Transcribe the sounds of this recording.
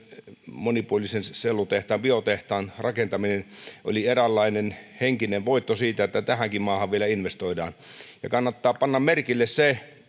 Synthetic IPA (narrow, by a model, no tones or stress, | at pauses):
monipuolisenselːut̪eht̪ɑːmbiot̪eht̪ɑːnrɑkent̪ɑminenʔo̰lierælːɑinenheŋkineʋʋoit̪ːosiːt̪æet̪ːæt̪æhæŋkimmɑːhɑʋʋielæinʋest̪oidɑ̰ːnjɑ̰kɑnːɑt̪ːɑːpɑnːɑmmerkilːesse